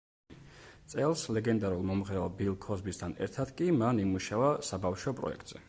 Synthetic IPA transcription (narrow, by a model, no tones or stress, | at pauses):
t̪sʼɛlˠslɛɡɛnd̪aɾulˠmɔmʁɛɔbilˠkʰɔzbist̪ʰanɛ̰ɾt̪ʰad̪kʼimanimuʃavasabafʃɔpʼɾɔ̰ɛ̰k̚t̪ʼz̥ɛ